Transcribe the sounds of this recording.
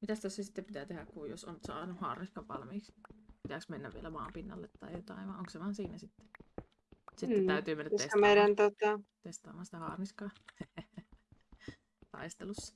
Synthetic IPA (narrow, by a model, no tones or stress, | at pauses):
mit̪æst̪osːsesit̪ːeppit̪æːt̪ehækkujjoso̰nsɑ̰ːnuhɑ̰ːrniskɑʋʋɑ̰lmiːkspit̪æksmenːæʋḭḛlæmɑ̰ːmpinːɑ̰lːet̪ːɑ̰ijot̪ɑ̰ˑiʋʋɑˑoŋkseʋɑːnsiːnæsit̪ːe̥ | siːt̪æˑyt̪yːmenːæit̪seskɑmeˑiɾænt̪ot̪ɑt̪est̪ɑ̰ːmːˑɑːnsit̪æhɑ̰ːrniskɑ | t̪ɑ̰ist̪elusːɑ̥